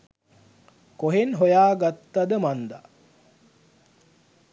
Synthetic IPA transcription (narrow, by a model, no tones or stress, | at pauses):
koɦenɦojaːɡat̪ːad̪əmand̪a̰